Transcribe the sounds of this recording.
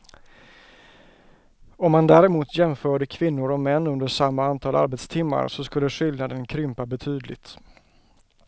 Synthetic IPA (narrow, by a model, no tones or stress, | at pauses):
ɔmːand̪æːɾɛmuːt̪jɛmfœːɖəkʰvɪnːʊɾɔmɛnːɵnd̪əʂamːaant̪ʰɑːlʔa̰ɾbɛt̪st̪ʰɪmːa̰ɾsɔskɵlːəɧʏld̪nad̪ənkʰɾʏmpabɛt̪ʰyːd̪lɪ̰t̪